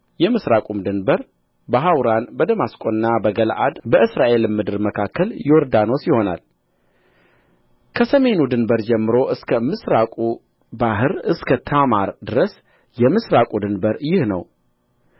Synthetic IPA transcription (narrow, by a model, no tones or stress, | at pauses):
jɛmɨsɾakʼumd̪ɨnbəɾ | bəɦawɾanbəd̪əmaskʼonnːabəɡəlʔa̰d̪bəʔɨsɾaʔe̞lmːɨd̪ɨɾməkʰakʰːəljoɾd̪ano̞sjɪho̞na̰l | kʰəsəme̞nud̪ɨnbəɾd͡ʒɛmːɨɾo̞ʔɨskʰəmɨsɾakʼu | baɦɨɾɨskʰət̪ʰamaɾd̪ɨɾəs | jɛmɨsɾakʼud̪ɨnbəɾjɪhnə̰w